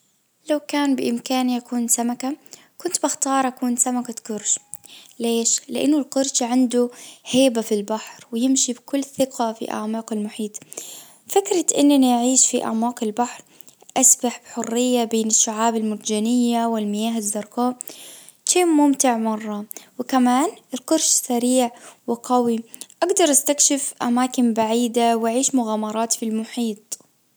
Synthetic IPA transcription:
lawkaːnbɪʔɪmkaːnʔakuːnsamaka | kʊnt̪bɪxt̪ɑːɾˤʔakuːnsamakat̪ɡʊɾʃleːʃlɪʔanːʊlqʊɾʃʕand̪uheːbafilbaħɾwɪjɪmʃibkʊlːθɪqafḭʔa̰ʕmɑːqɪlmʊħiːt̪ | fɪkɾɑʔɪnːanajʕiːʃfiʔa̰ʕmɑːqɪlbaħɾ | ʔasbaħbħʊrːɪjːabeːnɪʃːʊʕaːbɪlmʊɾd͡ʒanɪjːawɪlmɪjaːɦɪzːɑɾˤkaː | ʃiːmʊmt̪ɪʕmɑrˤːɑwɪkamaːnɪlqʊɾʃsaɾiːʕwɪqawiʔaɡd̪ɑɾˤʔast̪akʃɪfʔamaːkɪnbaʕiːd̪awʔaʕiːʃmʊɣaːmɑɾˤɑːt̪filmʊħiːt̪ˤ

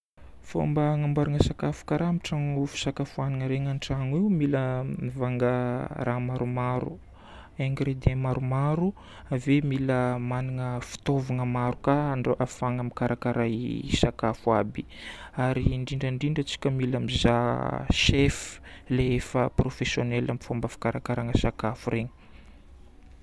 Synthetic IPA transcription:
fo̰mbaŋambaɾaŋəsakafu̥kaɾamiʈ͡ʂaŋufi̥sakafuaniŋəɾeŋanʈ͡ʂaŋiumiləmivaŋɡəramaɾumaɾṵ | eŋɡɾed̪emaɾumaɾu | avemiləmaniŋəfi̥t̪ovaŋəmaɾukaɳɖ͡ʐoʔafaŋamikaɾakaɾajsakafuabiaɾiɳɖ͡ʐiɳɖ͡ʐəɳɖ͡ʐiɳɖ͡ʐət͡si̥kʲəmilamizaʃefleefəprofesjonɛlamifombafḁkaɾakaɾaŋəsakafuɾeɲə̥

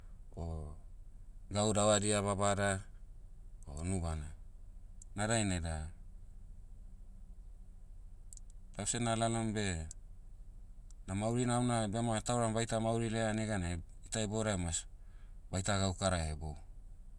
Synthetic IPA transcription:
o | ɡawdawadiaβabada | onubana | nadajnada | d̥awsenalalombe̞ | namawɾinawnabeamatawɾambajtamawɾileaneɡanaeitaeboɾaemasbajtaɡawkaɾaebo

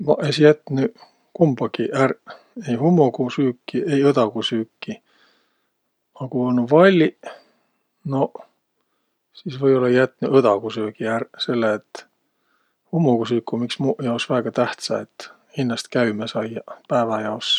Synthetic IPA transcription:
mɑʔesjæt̪ːny | kumb̥ɑkiʔær | ejhumːukusyːkːiʔe̞jɤd̪ɑkusyːkːi | ɑkuonuvɑlʲːi | no | siːsvɤjo̞lːɑjæt̪ːˑnyʔɤd̪ɑkusøkiærse̞lːeːt̪ | humːukusyːkːumiksmujɑosvæːɡ̥ɑt̪æht̪sɑ̰et̪ː | hinːɑst̪kæymesɑjɑpæːvɑjɑos

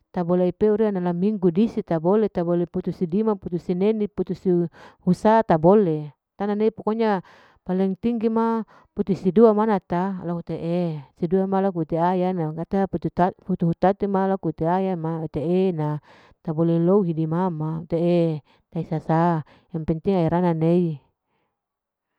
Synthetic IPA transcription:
t̪aboleaipeuɾianalamiŋɡudisit̪abolet̪aboleput̪usidimaput̪usineniput̪usihusat̪abole | t̪ananeipokoɲa | palɛŋt̪iŋɡima | put̪usiduamanat̪alakut̪eʔesiduamalak̬ut̪eajanakat̪aput̪ut̪aput̪uɦut̪at̪umalakut̪eajamat̪eʔena | t̪abolelouɦidimamaut̪ee | t̪aisasa | jaŋpɛnt̪iŋaiɾananei

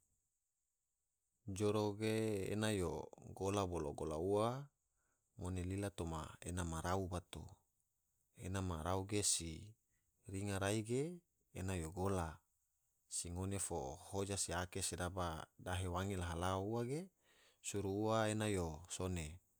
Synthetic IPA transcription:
d͡ʒoɾoɡeḛnajoɡolaboloɡola̰uwa | ŋonelilat̪oma̰enamaɾaubat̪ṵ | ḛnamaɾauɡesi | riŋaɾaiɡeː | najoɡola | siŋonefo̰hod͡ʒasiakesedabadaɦewaŋelaɦalaouaɡe | suɾuːwaenajosone

